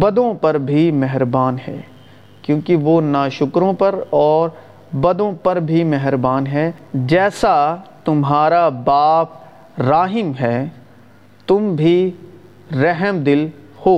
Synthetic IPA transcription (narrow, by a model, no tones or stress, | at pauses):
bɐd̪õpɐɾbʱimɛɦɾbaːnɦɛ̰ː | kjõːkiʋonaːʃʊkɾõpɐɾɔːɾ | bɐd̪õpɐɾbʱimɛɦəɾbaːnɦɛd͡ʒɛːsat̪ʊmɦaːɾabaːp̚ | ɾaːɦɪmɦɛː | t̪ʊmbʱi | ɾɛɦəmd̪ɪlhoː